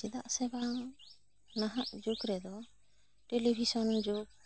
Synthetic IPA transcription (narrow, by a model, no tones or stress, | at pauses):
d͡ʒɛd̪aʔsɛba | naɦaʔd͡ʒukɾɛd̪ɔ | ʈelibʱisɔnd͡ʒuk̚